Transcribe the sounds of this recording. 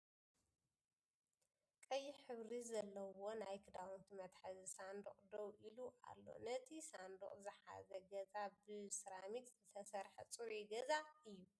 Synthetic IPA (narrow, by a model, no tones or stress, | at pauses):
kʼɐjːiħɨβɾizɐlːɐwo̞najkʰɨd̪awunt̪ʰimɐt̪ħɐzisand̪uχʼd̪owʔiluʔa̰lːo̞̰nɐt̪ʰisand̪ṵχʼzɨħa̰zɐɡɐzabɨsɨɾamit̪zɨt̪ʰɐsɐɾħɐt͡sʼɨɾeɡɐzaɨjːu